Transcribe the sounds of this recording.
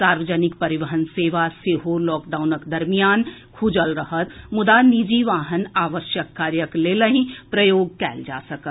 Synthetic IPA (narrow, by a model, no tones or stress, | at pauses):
saːɾʋəd͡ʒənɪkpɐɾɪʋəɦənseːʋaseːɦolɔːkɖaːʊnəkd̪ɐɾmijaːn | kʰʊd͡ʒəlɾɐɦət̪mʊd̪anid͡ʒiʋaːɦənaːʋəʃjəkːaːɾjəkleːləɦĩpɾɐjoːɡ̚kɛːld͡ʒa̰ːsɐkət̪